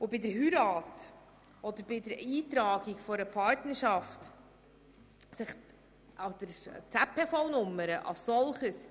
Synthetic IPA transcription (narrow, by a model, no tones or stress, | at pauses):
obɪdəɾɦyɾɑːt | ɔd̪əɾb̥ɪdəɾiːt̪ɾɑːɡikfɔɾəpʰɑɾtnəɾʃɑft | sɪχ | ʔɑd̪̥əɾt͡sæpʰːɛfɔwnʊmːəɾəʔɑ̰lssɔlχəs